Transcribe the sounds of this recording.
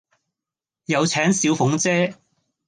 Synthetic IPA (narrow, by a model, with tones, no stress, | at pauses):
jɐ˨˧wt͡sʰɛː˨˥ŋsiː˨˥wfʊ˨˥ŋt͡sɛː˥